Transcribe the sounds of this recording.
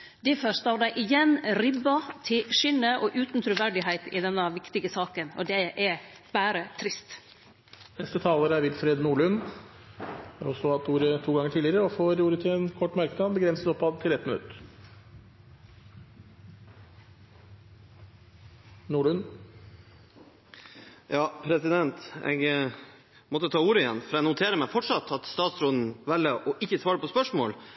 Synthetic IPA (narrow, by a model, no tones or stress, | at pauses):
d̪ɛfœst̪ɑʋd̪æɪʔɪjɛnɾɪbɑt̪ʰɪʂʏnːəʔɔʔʉːt̪n̩t̪ʰɾʉːʋæɖɪɦæɪt̪ɪ̰d̪ɛnːɑʋɪkt̪ɪɡəsɑːkənɔ̰d̪ɛʔɛ | b̥æːɾət̪ʰɾɪst̪ | nɛst̪ət̪ʰɑːləɾæɾʋɪlfɾeːd̪nuːɭʉn | hɑɾɔsɔhɑt̪uːɾət̪ʰuːɡɑŋəʈʰiːlɪəɾəɔfoːɾuːɾət̪ʰɪɛnkʰɔʈːmɑɾkəd̪əɑbəɡɾɛnsət̪ɔpːɑd̪t̪ʰɪlɛt̪ːmɪnʉ̰t̪ | nuːɭʉn | jɑːpʰɾɛsɪd̪ɛnt̪ɛ̰ɡ | mɔt̪ːət̪ʰɑːuːɾəɪjɛnfɔɾɛnʊt̪ʰeːɾəmæfɔʈʂɑt̪ʰːɑt̪st̪ɑːt̪sɾɔd̪n̩ʋɛlːəʔɔʔɪçːəsʋɑːɾəpɔspœʂmo̰ːl